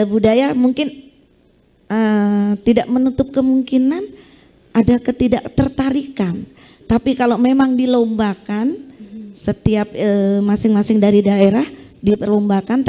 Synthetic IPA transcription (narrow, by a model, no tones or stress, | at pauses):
əbudajamuŋkɪn | ət̪idaʔmənut̪ʊp̚kəmuŋkinan | ʔadakət̪idaʔt̪ərt̪aɾikan | t̪apikalomemaŋdilombakansət̪iap̚əmasɪŋmasɪŋdaɾidaeɾahdipərlombakant̪